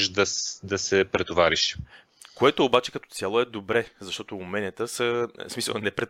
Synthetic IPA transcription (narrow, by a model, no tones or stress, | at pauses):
ʃd̪ɐd̪ɐsɛpɾɛt̪ovaɾiʃ | koɛt̪oːbat͡ʃɛ̥kɐt̪ɔ̥t̪sʲjalˠoɛd̪obɾɛzɐʃt̪ɔt̪oːmɛnʲət̪əsəsmisə̰lˠnɛpɾɛt̪